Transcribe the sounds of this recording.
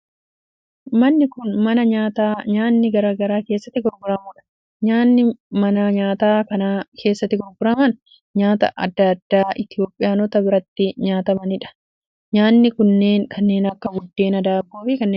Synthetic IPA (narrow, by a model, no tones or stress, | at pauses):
mɐnːɪkʊnmɐnɐɲaːt̪aːɲaːnːɪɡɐɾaːɡɐɾaːke̞ːsːɐt̪ːɪɡɔɾɡʊɾɐmuːᶑɐ̥ | ɲaːnːɪmɐnɐɲaːt̪aːkɐnaːkʰe̞ːsːɐt̪ːɪɡɔɾɡʊɾɐmɐn | ɲaːt̪ɐ̰ʔɐ̰d̪ːɐɐd̪ːaːʔɪt̪ɪjo̞ːpʼːɪjaːnɔt̪ɐbɪɾɐt̪ːɪɲaːt̪ɐmɐnɪᶑɐ̥ | ɲaːnːɪkʊnːe̞ːŋkɐnːe̞ːnɐkːɐɡʊd̪ːe̞ːnɐd̪aːbːoːfɪkɐnːeː